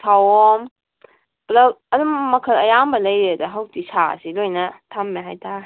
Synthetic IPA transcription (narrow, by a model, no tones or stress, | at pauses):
tʰawɔm | plɐɐdumɐkʰɐlɐjambɐlɐjedɐɦɐwtisa̰silojnɐtʰamːeɦajtʰa